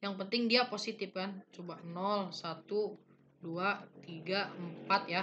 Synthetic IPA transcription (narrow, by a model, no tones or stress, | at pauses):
jaŋpənt̪ɪŋdiaposit̪ɪfkant͡ʃubanɔlsat̪u | duat̪iɡaəmpat̪̚ja